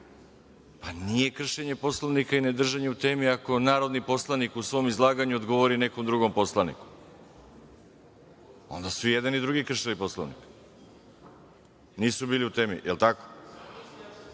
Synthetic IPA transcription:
panije̞kr̩ʃeɲe̞po̞slˠoʋnikaine̞d̪r̩ʒeɲeut̪e̞ːmiako̞naːɾo̞d̪nipo̞slˠanikusʋo̞mizlˠaːɡaɲuo̞d̪ɡo̞ʋo̞ɾine̞ko̞md̪ɾuɡo̞mpo̞slˠanḭku̥ | o̞̰nd̪asuijed̪anid̪ɾuɡikr̩ʃelipo̞sloʋnḭk | niːsubiːliut̪e̞ːmḭʔelt̪ako̥

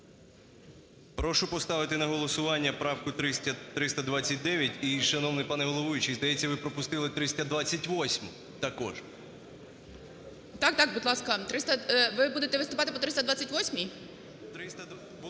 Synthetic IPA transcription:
pɾɔʃʊpɔst̪ɑʋɪt̪ɪnɐɦɔlˠɔsʊʋɑnʲːɐpɾɑwkʊt̪ɾɪɐt̪ɾɪst̪ɐd̪ʋɑt͡sʲːɐt̚ʲd̪ɛʋʲjɐtʲiʃɐnɔʋnɪpɑnɛʋɔlˠɔʋujʲit͡ʃizd̪ɐjɛt͡sʲːɐʋɪpɾɔpʊst̪ɪlˠɪt̪ɾɪsʲt̪ʲɐd̪ʋɑt͡sʲːɐtʲʋɔsʲmʊ | t̪ɐkɔ̰ʒ | t̪ɑk̚t̪ɑk̚bud̪lˠɑskɐt̪ɾɪst̪ɐʋɪbud̪et̪ɛʋɪst̪ʊpɑt̪ɪpɔt̪ɾɪst̪ɐd̪ʋat͡sʲɐtʲʋɔsʲmʲij | t̪ɾɪst̪ɐ

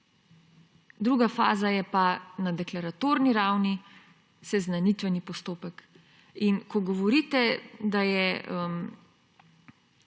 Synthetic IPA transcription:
d̪ɾuɡafa̰ːzajɛpanad̪ɛklaɾat̪oːɾniɾawni | sɛznanit̪ʋɛnipɔst̪oːpɛk | inkɔɡɔʋɔɾiːt̪ɛd̪ajɛəm

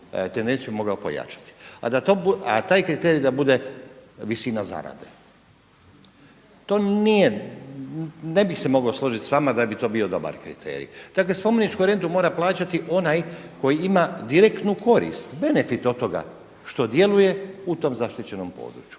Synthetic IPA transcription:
t̪end̪e̞nsijubimo̞ɡaopo̞̰ja̰t͡ʃḁt̪i̥a̰d̪at̪obuat̪aːjkɾit̪eɾid̪abud̪e̞ʋisiːnaza̰ɾa̰d̪e | t̪o̞ːnije | ne̞bixse̞mo̞ɡaoslˠo̞ʒit̪sʋamad̪abit̪o̞ːbio̞d̪o̞ba̰ɾkɾḭt̪ʰḛːɾḭd̥̪akle̞spo̞menit͡ʃkoɾe̞nd̪umo̞ːɾaplˠaːt͡ɕat̪iʔo̞najko̞jiimad̪iɾekt̪nuko̞ɾḭst̪be̞ne̞fit̪o̞t̪o̞ɡa̰ | ʃt̪o̞d̪je̞luje̞ut̪o̞mzaʃt̪it͡ɕe̞no̞mpo̞̰ːd̪ɾut͡ɕju̥

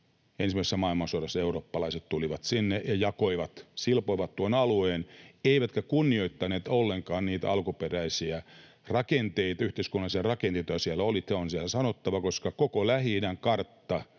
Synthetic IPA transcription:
ensimæˑisesːæmɑilmɑnsuoɾɑsːɑeuroːpːɑlɑiset̪t̪uliʋɑt̪sinːejɑjɑkoiʋɑt̪silpoiʋɑt̪t̪uonɑlueːneiʋæt̪kækunːioit̪ːɑneːt̪olːeŋkɑːnniːt̪æɑlkuperæisiæ | rɑkent̪eit̪ɑyht̪eiskunːɑlisiɑrɑkent̪et̪ojɑsiælːæolit̪eonsiælæsɑnot̪ːɑʋɑkoskɑkokolæhinæŋkɑrt̪ːɑ

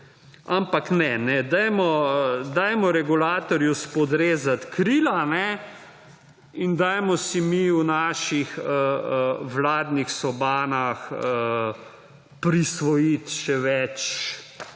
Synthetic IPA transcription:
ampaknɛnɛd̪ajmɔd̪aːjmɔɾɛɡulaːt̪ɔɾjuspɔd̪ɾeːzat̪kɾiːlanɛ | ind̪aːjmɔsimiwnaːʃixəəʋlaːd̪nixsɔbaːnaxə | pɾisʋɔjit̪ʃɛʋɛt͡ʃ

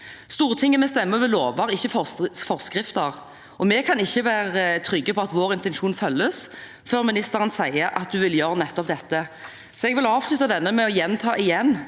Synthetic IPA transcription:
st̪uːʁət̪ʰɪŋːəmɛst̪ɛmːəʋɛloːʋɑʁɪçːəfɔfɔʁskʁɪft̪əʁ | ʔɔmɛkʰɑnɪçːəʋæːɾət̪ʰɾʏɡːəpʰɔɑt̪ʋoːʁɪnt̪ɛnʃuːnfœlːəs | føːʁmɪnɪst̪əʁənsæɪəɾʔɑ̰t̪̚d̪ʉʋɪljøːɾənɛt̪ːɔp̚d̪ɛt̪ːə | sɔɛɡʋɪlɑːʋslʉt̪ɑd̪ɛnːəmɛɔjɛnt̪ʰɑːʔɪjɛnː

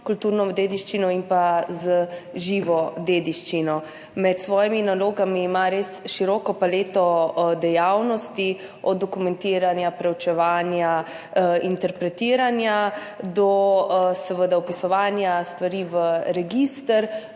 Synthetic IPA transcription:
kult̪uːɾnɔd̪eːd̪iʃt͡ʃinɔinpazəʒiːʋɔd̪eːd̪iʃt͡ʃinɔ | mɛt̪sʋɔːjiminaloːɡamiːmaɾeːsʃiɾɔːkɔpaleːt̪ɔd̪ɛjawnɔst̪i | ɔ̰d̪dːɔkumɛnt̪iːɾanjapɾɛwt͡ʃɛʋaːnja | int̪ɛɾpɾɛt̪iːɾanja | d̪ɔsɛʋəd̪aɔpisɔʋaːnjast̪ʋaɾiʋəɾɛɡist̪əɾ

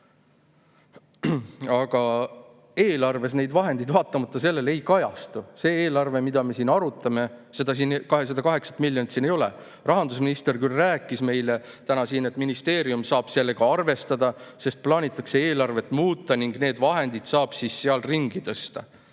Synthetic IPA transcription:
ɑɡ̥ɑ | e̞ːlɑrve̞sne̞jd̪vɑɦe̞nd̪id̪vɑːt̪ːˑɑmɑt̪ˑːɑse̞lːe̞le̞jkɑjɑst̪use̞ːeːlɑrve̞mid̪̥ɑme̞siːnɑɾut̪ːˑɑme̞se̞d̪ɑs̬iːnkɑɦe̞s̬ɑd̪ɑkɑɦe̞ksɑ̥t̪milʲːjonit̪siːne̞jo̞lḛ | rɑɦɑnd̪usminist̪e̞rkylræːkːˑisme̞jle | t̪ænɑsiːne̞t̪ːˑminist̪e̞ːɾiumsɑːb̥se̞lːeɡ̥ɑɑrve̞st̪ɑd̪ɑse̞st̪̚plɑːnʲit̪ːˑɑkseeːlɑrve̞t̪ːˑmuːt̪ːˑɑniŋɡ̥ne̞ːd̪vɑɦe̞nd̪̥id̪̥sɑːb̥sisːeɑlriŋɡit̪ɤ̞st̪ɑ

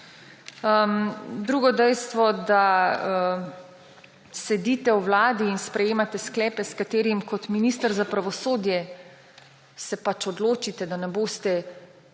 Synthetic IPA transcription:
d̪ɾuːɡɔd̪ɛjst̪ʋɔd̪aə | sɛd̪iːt̪ɛwwlaːd̪iːnspɾɛjeːmat̪ɛsklɛːpɛskat̪eːɾimkɔt̪miniːst̪əɾzapɾaʋɔsoːd̪jɛ | sɛpat͡ʃɔd̪loːt͡ʃit̪ɛd̪anɛboːst̪ɛ

